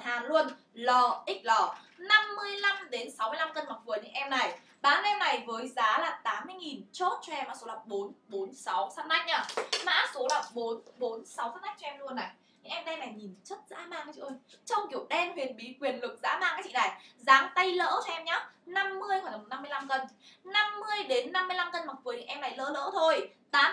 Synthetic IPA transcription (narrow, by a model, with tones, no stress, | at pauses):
haː˨˩nlu˧ən | lɔ˧ʔï˦˥k̟̚lɔ˧˩na˧mːɨ˧əjla˧mɗe˨˦nsa˨˦wmɨ˧əjla˧mkə˧nma˨˩t̚vɨ˨˩əɲɨ̰˧˥ŋʔɛ˧mna˨˩j | ɓaː˨˦nʔɛ˧mna˨˩jvəː˨˦jzaː˨˦laː˨˩t̪aː˨˦mːɨ˧əjŋi˨˩nt͡ɕo˦˥t̚t͡ɕɔ˧ʔɛ˧mːa̰ː˧˥so˨˦laː˨˩ɓo˨˦nɓo˨˦nsa˨˦wsa˧nʔa˧jŋ̟ʔaː˨˩ma̰ː˧˥so˨˦laː˨˩ɓo˨˦nɓo˨˦nsa˨˦wfa˦˥ʔa˦˥jk̚t͡ɕɔ˧ɛ˧mlu˧ənːa̰˨˩j | ɲɨ̰˧˥ŋʔɛ˧mɗna˨˩jɲi˨˩n˩t͡ɕə˦˥t̚za̰ː˧˥maː˧ŋkaː˨˦t͡ɕḭ˧˩ʔə˧jt͡ɕɔ˧wŋ͡mki˧˩əwɗɛ˧nhwi˨˩ənɓi˨˦kwi˨˩ənlɨ˨˩k̚za̰ː˨˥maː˧ŋkaː˨˦jt͡ɕḭ˧˨na˨˩jzaː˨˦ŋt̪ə˧jlə̰ː˧˥tɔ˧ɛ˧mɲaː˨˦na˧mːɨ˧əjhaː˧˩ə˨˩na˧mːɨ˧jla˧mkə˧nna˧mːɨ˧əjɗe˨˦nːa˧mːɨ˧əjla˧mkə˧nma˨˩k̚vɨ˨˩əɲɨ̰˧˦˥ʔɛ˧mna˨˩jlə̰ː˧˥lə̰ː˧˥t̪ʰo˧jt̪aː˨˦